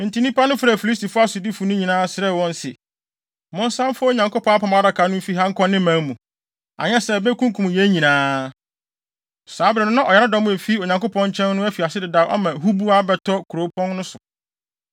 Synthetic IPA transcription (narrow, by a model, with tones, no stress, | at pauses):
ɪ̃˨ntʰi˨˦nĩ˦pa˦nʊ̃˦fɾɛ˨fi˨li˦s̬ti˨fʊ˦a˦sʊ˨di˦fu˨nʊ̃˦ɲĩ˨nãː˦sɪ˨ɾɛ˦˨wɔ̃˦n˦sɛ̰˨ | mʊ̃˦n˦sã˦mfʊ˦o˦ɲã˨ŋkʊ˦pʰɔ̃˦a˦pʰã˨m˨a˦da˨kʰa˨˦nʊ̃˦m̩˦fi˦ɦã˦ŋ̩˦kʰɔ̃˦nːɪ̃˦mã˨˦mũ˨ | a̰˨ɲɛ̃˦sɛ˨bɛ˦kʰũ˦ŋkʰũ˨m˨jɛ˦ɲĩ˨nãː˦ | saː˨˦bɾɛ˨nʊ̃˦nã˦ʔɔ˨jɛ˨ɾa˦dɔ̃˨˦mʊ̃˦ɛ˨fi˦o˨ɲã˨ŋkʊ˦pʰɔ̃˦ɲ˦t͡ɕʰɛ̃˦nː˦ʊ̃˦æ˦fi˨a˨sɪ˦dɪ˨daː˨ʔɔ̰˦mã˨ɦu˦bu˦a˦bɛ˨tʰɔ˦kʰu˨ɾo˨˦pʰɔ̃˦nnʊ̃˦sʊ˨